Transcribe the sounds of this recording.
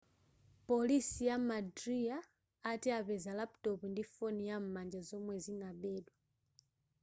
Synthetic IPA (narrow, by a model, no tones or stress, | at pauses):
polisijamadriaː | tiaβɛzalaptɔpundifonijam̩mand͡ʒazɔmwɛzinaɓɛdwa